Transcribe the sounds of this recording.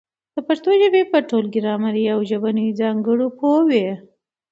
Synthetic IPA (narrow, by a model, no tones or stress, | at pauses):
d̪̥əpaɾt̪oʒəbepəʈolɡɪɾɑmaɾiawʒəbanud͡zɑŋɡəɽopʰowe